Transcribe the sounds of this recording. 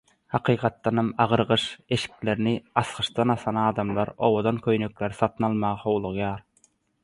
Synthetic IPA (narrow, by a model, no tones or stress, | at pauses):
hɑqʰiːqʰɑt̪ːɑnɑmɑʁɯɾʁɯʃe̞ʃi̥kle̞ɾiniɑsqɯʃd̪ɑnɑθɑnɑːd̪ɑmlˠɑɾo̞̰wod̪ɑnkʲʰøjnøkleɾsɑt̪ʰɯnɑlˠmɑʁɑhowlˠuʁjɑːɾ